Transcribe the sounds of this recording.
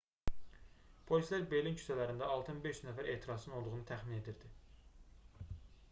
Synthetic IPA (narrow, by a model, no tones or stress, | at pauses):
pʰo̞lʲislæɾbe̞lincʰy̥sælæɾind̪æɑlˠt̪ʰɯnbeʃnæfæɾe̞ːt̪ʰiɾɑsɯno̞lˠd̪uɣunɯt̪ʰæχmine̞d̪iɾd̪i